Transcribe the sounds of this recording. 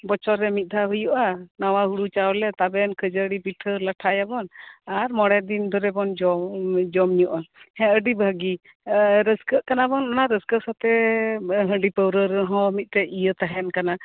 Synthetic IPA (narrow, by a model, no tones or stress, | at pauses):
bɔt͡ʃɔɾɛmit̪̚ˀd̪ʱaɦujuʔanawaɦuɽut͡ʃawlɛt̪abɛnkʰəd͡ʒəɽipiʈʰələʈʰajabɔnaɾmɔɽɛd̪ind̪ʱɔɾɛbɔnd͡ʒɔd͡ʒɔmɲuʔahɛ̃əɖibʱəɡi | ɾəskəʔkanabɔnanaɾəskəsat̪ɛ | ɦə̃ɖipəwɾəɾəɦɔ̃mit̪̚ˀt̪ɛʔijət̪aɦɛnkana